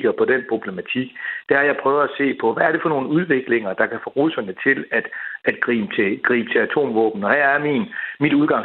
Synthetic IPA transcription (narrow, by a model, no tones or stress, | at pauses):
ɡ̥ɐpʰɒ̽d̥enpʰʁo̝b̥le̝mæt͡sʰiɡ̥d̥æɐɐjɑ̈ɪpʰʁœʊð̩ˠæse̝̰ːpʰɒ̽ʋæɐɾe̝fɒ̽no̝ːn̩uð̞ˠʋe̝ɡ̥le̝ŋɐd̥ɑ̈kʰæfɔʁusɐnət͡sʰe̝læd̥æd̥ɡ̥ʁḭːmt͡sʰe̝ɡ̥ʁḭːb̥t͡sʰe̝æt͡sʰo̝̰ːmʋɔ̰ːb̥n̩ɒ̽hæ̰ɐɐæminmid̥uðˠɡ̥ɑ̈ŋs